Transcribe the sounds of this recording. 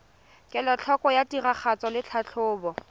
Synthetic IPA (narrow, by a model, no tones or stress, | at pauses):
kʼɛlɔt͡ɬʰɔkɔjatiraχat͡sɔlɪt͡ɬʰat͡ɬʰʊːbɔ